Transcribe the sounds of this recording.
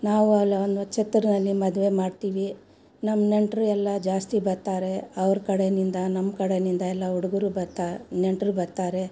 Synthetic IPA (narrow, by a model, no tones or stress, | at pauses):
naːʋuɐlːond̪ɐt͡ʃet̪ːɾɐnɐlːimɐd̪ʋe̞maːɖt̪iːʋi | nɐmːneɳʈɾuɛlːɐd͡ʒaːst̪ibɐɾt̪aːɾe̞ɐʋɐɾkɐɽenind̪ɐnɐmːkɐɽenind̪ɐɛlːɐuɽuɡuɾubɐɾt̪aneɳʈɾubɐɾt̪aːɾe̞